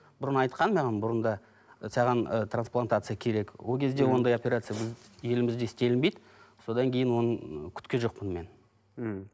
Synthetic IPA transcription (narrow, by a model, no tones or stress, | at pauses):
b̥ʊɾənɑjt̪qɑnmɑʁɑnbʊɾənd̪ɑ | sɑʁɑnət̪ransplˠant̪at̪sɨjakʲʰe̞ɾe̞kwo̞lˠkʲʰe̞zd̪e̞wo̞nd̪ɑjopʲe̞ɾat̪sɨjabɪzje̞lɪmɪzd̪e̞ɪst̪e̞lɪnbe̞jd̪ɪ | so̞d̪ɑŋkʲʰe̞jɪnwo̞nəɴkʲʰʏ̥t̪kʲeʒo̞q̚pənme̞n̩